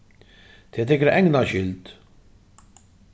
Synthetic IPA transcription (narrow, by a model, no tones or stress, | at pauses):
t̪ɪt̪ɪkɾɛʔɛŋɡnɐʃɪlt̪